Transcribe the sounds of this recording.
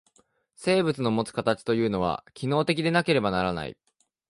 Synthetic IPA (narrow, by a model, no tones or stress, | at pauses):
se̞ːbɯ̟t͡sɨno̞mo̞t͡sɨ̥kat̪at͡ɕi̥t̪o̞jɯ̟ːno̞β̞a̰kʲino̞ːt̪e̞kʲid̪e̞nake̞ɾe̞banaɾana̰ḭ